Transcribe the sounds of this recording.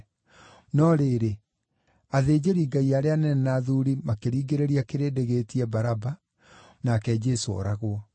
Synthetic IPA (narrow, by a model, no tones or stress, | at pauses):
nɔɾeːɾe | aðeːd͡ʑeɾiːɡaiaɾeanɛnɛnaðuɾimakeɾiːɡeɾeɾiakeɾeːdeɣetiɛbaɾaba | nakɛd͡ʒɛsoɔ̰ɾaɣwɔ